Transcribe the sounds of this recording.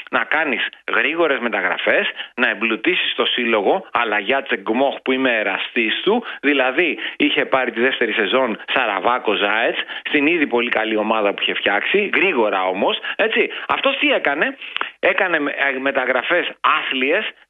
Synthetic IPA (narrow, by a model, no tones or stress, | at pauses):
nɐkɐnisɣɾiɣo̞ɾe̞zme̞t̪ɐɣɾɐ̰fe̞snɐemblut̪isi̥st̪o̞silo̞ɣo̞ɐlɐʝɐt͡se̞ɡmo̞xpuime̞ːɾɐst̪ist̪uðilɐðiiçe̞pɐɾit̪iðe̞ft̪e̞ɾise̞zo̞nsɐɾɐvɐko̞zɐet͡sst̪iniðipo̞likɐlio̞mɐðɐpuiçe̞fçɐksiɣɾiɣo̞ɾɐo̞mo̞se̞t͡siɐ̰ft̪ost̪ie̞kɐne̞e̞kɐne̞me̞t̪ɐɣɾɐfe̞sɐθlie̞s